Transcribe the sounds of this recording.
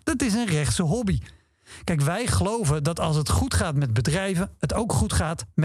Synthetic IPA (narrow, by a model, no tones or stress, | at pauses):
d̥ɑtɪsənrɛχtsəɦɔbi | kɛjk̬ʋɛjχəlowvədɑtɑlˠsɦətχutχaːtmɛd̚bədrɛjvəətowkχutχaːtm